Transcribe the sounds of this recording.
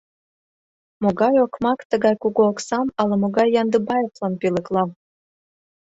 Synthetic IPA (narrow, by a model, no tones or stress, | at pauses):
moɡɑjokmɑkt̪əɣɑjkuɣoːksɑmɑlɤmoɡɑjːɑnd̪əbɑjoklˠɑnpilə̆klˠɑm